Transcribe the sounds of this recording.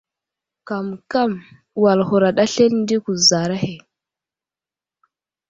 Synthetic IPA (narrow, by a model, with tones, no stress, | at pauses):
ka˨mka˦˨m | wa˨lxu˨ɾa˨ɗa˦ɬe˦ln˦di˦ku˨za˨ɾa˦he˨